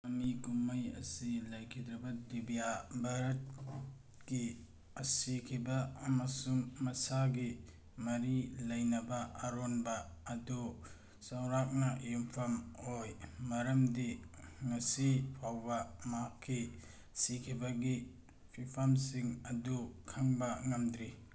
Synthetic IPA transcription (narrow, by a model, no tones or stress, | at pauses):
ɐmikumɐjɐ̰silɐjkʰidɾɐbɐdibijabʱaɾɐt̚ | ɡi | ɐsikʰibɐːmɐsuŋmɐsaɡi | mɐɾilɐjnɐbɐːɾonbɐː | du | sɐwɾak̚nɐjumpʰɐmojmɐɾɐmdiŋɐsipʰawbɐmakʰːi | sikʰibɐɡi | pʰipʰɐmsiŋɐdukʰɐŋbɐŋɐmdɾi